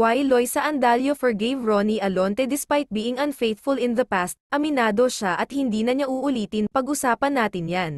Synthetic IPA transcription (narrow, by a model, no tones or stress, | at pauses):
wajlojsɐʔɐnd̪aːljofɛɹɡejvɹoniʔɐlont̪ɛd̪ɪspajt̪̚biːʔɪŋʔɐnfejθfʊlɪ̃nðɐpast̪̚ʔɐmɪnaːd̪o̞ʃaʔɐt̪̚hɪnd̪iːnɐɲaʔuʔʊliːt̪ɪnpɐɡʔʊsaːpɐnːaːt̪ɪnjan